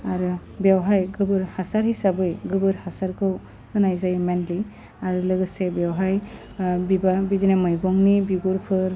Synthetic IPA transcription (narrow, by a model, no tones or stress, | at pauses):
aɾɯ | bjawɦajɡɯbɯɾhasaɾhisabɯjɡɯbɯɾhasaɾkʰɯw | ɯnajzajmenli | aɾɯlɯɡɯsebjawɦaj | bibabidinamɯjɡɔŋnibiɡuɾpʰɯɾ